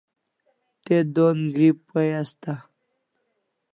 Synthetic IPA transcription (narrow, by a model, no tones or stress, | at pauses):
t̪ed̪onɡɾipːajast̪a